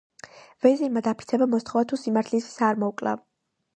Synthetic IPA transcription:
vɛziɾmad̪apʰi̥sʰɛbamɔst̪χɔvat̪ʰusimaɾt̪ʰlissaɾmɔkʼla̰

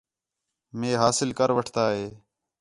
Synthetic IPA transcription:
mẽːɦaːsɪlkəɾʋəʈʰt̪aːɦeː

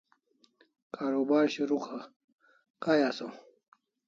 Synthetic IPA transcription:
kaːɾobaːɾɕiɾuxʰa | kajaso

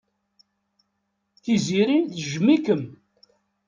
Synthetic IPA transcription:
θiziɾinθʒmːikəm

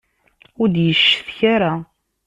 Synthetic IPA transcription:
ʊɾd̪jəʃːə̥θçaɾa

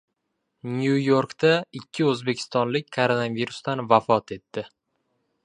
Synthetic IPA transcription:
njujo̞ɾkt̪aɪkʲʰːɪɵzbekʲʰɪ̥st̪ɒnlɪk̚ʲkʰoɾonaviɾust̪anvafɒt̪ʰe̞t̪ːɪ

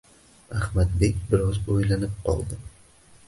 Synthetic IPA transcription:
ahmad̪bekʲbɪɾɒzojlanɪp̚qʰɒ̰lˠd̪ɪ

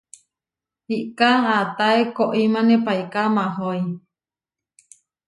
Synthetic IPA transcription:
hiʔkaat̪aekoʔimãnepajkamãɦoi

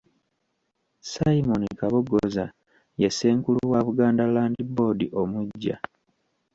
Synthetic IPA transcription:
saimonikaβoɡoza | jese̞ːŋkuluwaβuɡaːndalaːndibo̞ːdiʔo̞muɟːa̰

